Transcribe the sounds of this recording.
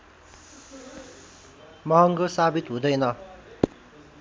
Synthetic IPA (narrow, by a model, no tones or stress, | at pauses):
mʌɦʌŋɡosabit̪ɦũd̪ʌjnʌ